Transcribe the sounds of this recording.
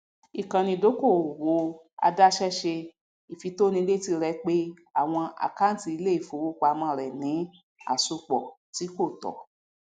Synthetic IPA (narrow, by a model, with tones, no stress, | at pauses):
i˨kã˨nĩ˧do˨˦ko˦˨wo˧˦ | a̰˧da˦ʃɛ˦ʃe˧ | i˨fi˨˧˦to˦nĩ˧le˦ti˧ɾɛ˧k͡pe˦ | a˦˨w̃ɔ̃˧ʔa̰˨ka˦ti˧i˧le˦i˦˨fo˧˦wo˦ka˧mã˧˨ɾɛ˨nĩ˨˦ | a̰˦˨su˧k͡pɔ˨ti˨˦ko˦˨tɔ̰˨